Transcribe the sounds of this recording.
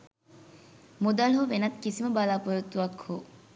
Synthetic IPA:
mod̪ɐlɦoʋenɐt̪kisimɐbalaːpoɾut̪ːuʋɐkhoː

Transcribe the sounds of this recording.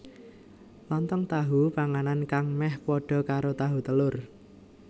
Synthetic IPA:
lɔnt̪ɔŋt̪aɦupaŋanankaŋmɛhpɔɖ̥ɔ̤kaɾot̪aɦut̪əlʊr

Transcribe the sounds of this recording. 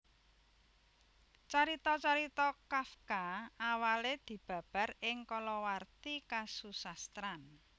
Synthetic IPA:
t͡ʃaɾit̪ɔt͡ʃaɾit̪ɔkafkaawaled̪̥i̤b̥ä̤b̥a̤rɪŋkɔlɔwart̪ikasusast̪ɾan

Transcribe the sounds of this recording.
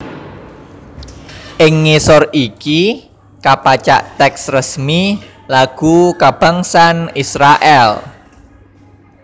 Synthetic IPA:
ʔɪŋːisɔriki | kapat͡ʃa̰ʔt̪ɛksrəsmi | laɡ̥ukab̥a̤ŋsanisɾaʔɛl

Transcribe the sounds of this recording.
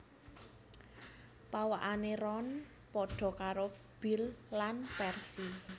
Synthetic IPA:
pawaʔanerɔn | pɔɖ̥ɔ̤kaɾo | b̥ilːanpɛrsi

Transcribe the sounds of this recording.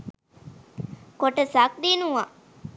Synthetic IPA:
koʈəsak̚d̪inuʋa

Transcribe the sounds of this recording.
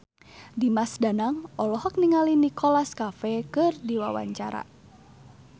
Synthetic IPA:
dimasdanaŋɔlɔɦɔk̚niŋalinikɔlaskafɛkɨrdiwawa̰ɲt͡ʃaɾa̰

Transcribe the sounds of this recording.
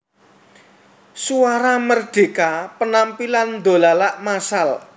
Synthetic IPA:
suaɾamərɖ̪̥e̤kapənampiland̪o̤lalaʔmasal

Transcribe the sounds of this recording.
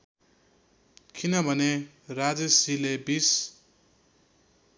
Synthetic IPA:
kʰinʌbʱʌne | rad͡zesilebis

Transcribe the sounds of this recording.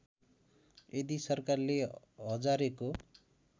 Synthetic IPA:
ed̪isʌrkarle | ɦʌd͡zaɾeko

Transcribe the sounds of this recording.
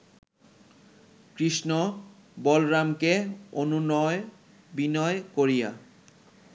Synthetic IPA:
kɾiʃno | bɔlɾamkeonunɔe | binɔekoɾija

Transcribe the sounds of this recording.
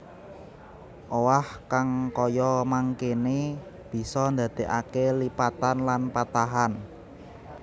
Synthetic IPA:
ʔowahkaŋkɔjɔmaŋkene | b̥i̤sɔnd̪ä̤d̪̥e̤ʔakelipat̪anlanpat̪aɦan

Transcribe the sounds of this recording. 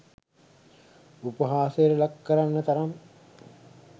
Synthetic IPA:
upəɦaːsejəɾəlakːəɾanːət̪ɐɾam

